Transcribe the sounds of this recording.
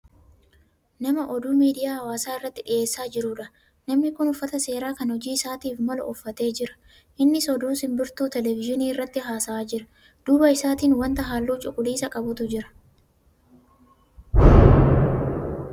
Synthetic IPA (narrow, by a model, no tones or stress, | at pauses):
nɐmɐʔɔd̪uːmiːd̪ɪjaːhɐwaːsaːɪrːɐt̪ːɪᶑɪʔe̞ːsːaːd͡ʒɪɾʊᶑɐ | nɐmnɪkʊnʊfːɐt̪ɐse̞ːɾaːkɐnhɔd͡ʒiːɪsaːt̪iːfmɐlɐ̰ʊfːɐt̪e̞ːd͡ʒɪɾɐ̥ | ʔɪnːɪsɔd̪uːsɪmbɪɾt̪uːt̪ɛlɛvɪʒɪniːɪrːɐt̪ːɪɦaːsɐaːd͡ʒɪɾɐ | d̪̥uːbɐɪsaːt̪iːnwɐnt̪ɐɦaːlːuːt͡ʃʼʊkʼʊliːsɐkʼɐbʊt̪ʊd͡ʒɪɾɐ̥